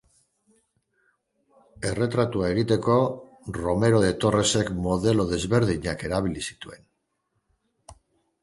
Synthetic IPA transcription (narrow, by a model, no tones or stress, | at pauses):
e̞re̞t̪ɾat̪uae̞ɣ̞it̪e̞ko̞ | ro̞me̞ɾo̞ðe̞t̪o̞re̞se̞kmo̞ðe̞lo̞ðe̞zβe̞ɾðiɲake̞ɾaβilisi̥t̪ue̞n